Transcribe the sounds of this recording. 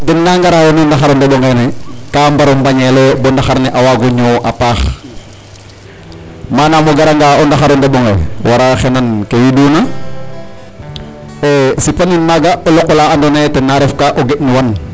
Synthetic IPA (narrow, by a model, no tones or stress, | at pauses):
tɛnːaŋɡaɾajonundaxaɾondɛɓɔŋɡenɛkambaɾombaɲelebɔndaxaɾneʔawaɡuɲoʔapaːx | manamoɡaɾaŋɡaondaxaɾondeɓɔŋḛwaɾaxenankewiduna | esipaninmaɡaʔolɔʔɔlaandonetɛnːaɾefkaʔoɡeʔniwan